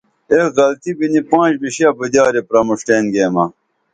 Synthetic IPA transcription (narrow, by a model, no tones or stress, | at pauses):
ekɣɐlt̪ibinipãːɕbiɕiɐbəd̪aːɾepɾɐmuʂʈeːnɡeːmɐ